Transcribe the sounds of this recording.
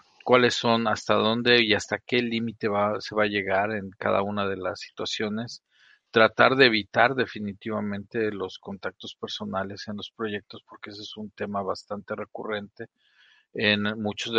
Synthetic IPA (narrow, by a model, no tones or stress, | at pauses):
kwale̞sːo̞nast̪aðo̞nd̪e̞iast̪ake̞limit̪e̞βase̞βaːʝe̞ɣaɾe̞ŋka̰ða̰unað̞e̞lasːi̥t̪wasjo̞ne̞s | t̪ɾat̪aɾðe̞ːβ̞it̪aɾðe̞finit̪iβamẽ̞nt̪e̞lo̞sko̞nt̪ak̚t̪o̞spe̞ɾso̞nale̞se̞nlo̞spɾo̞ʝe̞k̚t̪o̞spo̞ɾkeesesunt̪e̞maβast̪ant̪e̞re̞kure̞nt̪e̞ | enmut͡ʃo̞zðe